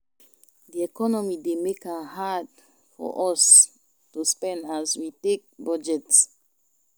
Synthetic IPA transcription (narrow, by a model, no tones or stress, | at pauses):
diɛkɔnɔmidemekãhad | fɔ̰ʔɔs | tuspɛ̃ndazwitek̚bɔd͡ʒɛts